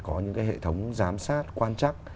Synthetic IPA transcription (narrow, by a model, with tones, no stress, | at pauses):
kɔ˨˦ɲɨ̰˧˥ŋkaː˨˦jɦḛ˧˨t̪ʰə˨˦wŋ͡mzaː˨˦msaː˦˥t̚kwaː˧nt͡ɕa˦˥t̚